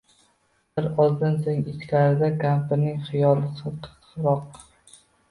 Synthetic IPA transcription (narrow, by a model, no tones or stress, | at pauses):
bɪɾɒzˠd̪ɪnsoŋɪt͡ʃlaɾɪd̪akʰampɪnɪŋχɪjɒlˠɨsɨt̪ʰ | qɾɒq̚